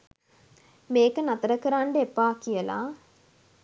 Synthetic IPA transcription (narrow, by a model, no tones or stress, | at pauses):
meːkɯnɐt̪ɐɾɐkɨɾaːɳɖepːaːkijɐla̰ː